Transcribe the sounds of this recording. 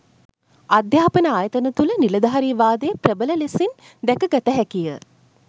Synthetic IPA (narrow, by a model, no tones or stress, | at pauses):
ad̪jaːpənəaːjət̪ənət̪uləniləd̪aɦɐɾiːʋaːd̪ejːprəbələlesin | d̪ækəɡat̪əɦɛkijə